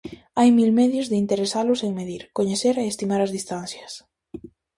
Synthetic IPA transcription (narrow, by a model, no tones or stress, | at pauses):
ajmilmɛðjʊzðɪint̪eɾesalʊseŋmeðiɾkoɲeθeɾeest̪imaɾɐzðist̪an̟θjɐs